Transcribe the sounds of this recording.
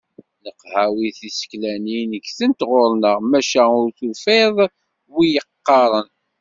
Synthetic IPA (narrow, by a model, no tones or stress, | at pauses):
nəqhæwiθisə̥klæninəkθənt̪ʁoɾnəʁmæʃæʊɾθufeðˤ | wijəqːɑɾˤən